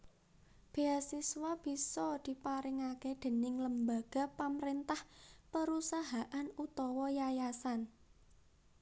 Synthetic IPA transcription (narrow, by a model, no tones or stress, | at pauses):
b̥e̤asiswab̥i̤sɔd̪̥i̤paɾɪŋaked̪̥e̤nɪŋləmbaɡ̥a̤paməɾent̪ahpəɾusaɦaʔanut̪ɔwɔjajasan